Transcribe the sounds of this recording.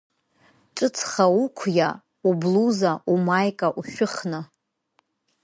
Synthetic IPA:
ʈ͡ʂʼɨt͡sʰχaukʷʰja | ubluzaumajkʼaʔuʃᶣʊχnɨ

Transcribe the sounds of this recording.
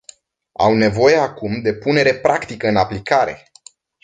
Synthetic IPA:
a̰wne̞vo̞je̞akumd̪e̞pune̞ɾe̞pɾʔakt̪ikəɨnaplikaɾe̞̰

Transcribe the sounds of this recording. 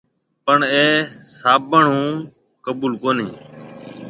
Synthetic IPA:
pəɳeːsaːbəɳũː | kəbuːlkoːnḭ̃ː

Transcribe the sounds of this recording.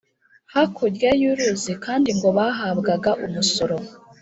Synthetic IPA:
hakʰoɟjajuɾuzikaːndiŋɡo̞βaɦabɡaɡaʔumuso̞ɾo̞

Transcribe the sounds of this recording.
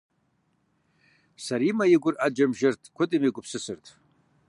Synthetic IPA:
saɾimajiɡʷʊrʔad͡ʒamʒartʰʼkʷʰʊtʼimiɡʷʼʊpʰsɨsɨrtʰ

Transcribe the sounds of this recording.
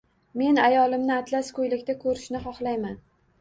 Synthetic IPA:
me̞najɒlɪmnɪat̪ʰlaskɵjlɪkʲt̪akʰɵɾɪʃnɪχɒχlˠajman

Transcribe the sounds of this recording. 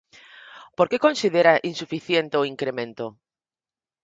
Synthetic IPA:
poɾkekõnsið̞eɾaʔinsufiθjent̪eoiŋkɾemẽnt̪o

